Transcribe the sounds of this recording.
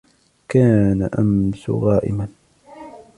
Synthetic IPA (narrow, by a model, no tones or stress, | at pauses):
kaːnaʔamsʊ̰ɣɑːʔɪ̰man